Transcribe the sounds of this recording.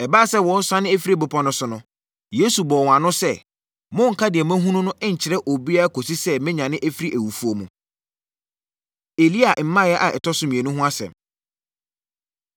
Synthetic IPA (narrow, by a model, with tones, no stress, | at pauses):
ɛ˨baː˦˨sɛ˦wɔ˨˦n˦sã˦nɪ̃˦e˦fi˦ɾi˦ɛ˨bʊ˨pʰɔ̃˦nʊ̃˨sʊ˨nʊ̃˨ | je˦su˨bɔː˨w̃ã˨nʊ̃˦sɛ˦˨ | mʊ̃˦ŋ̩˨kʰa˦dɪ˨ɛ˨m˦æ̃˦ɦũ˦nʊ̃˦nʊ̃˦ʔɛ˦ɲ̩˨t͡ɕʰɪ˨ɾɛ˦ʔo˨bi˦a˦kʰo˨si˦sɛ˦mɪ̃˦ɲã˨nɪ̃˦ʔæ˦fi˦ɾi˦ʔæ˨wu˨fu˦o˨mṵ̃˨ | e˨li˦a˨ʔm̩˦mã˦˨jɛ˦ʔa˨ʔɛ˨tʰɔ˦sʊ˦mĩ˨e˨nũ˦ɦʊ̃˦a˦sɛ̰̃˨m